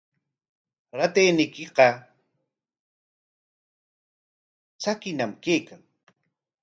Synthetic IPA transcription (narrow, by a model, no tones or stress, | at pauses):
ɾat̪ejnɪkɪqɑ | t͡sakɪnamkeːkaŋ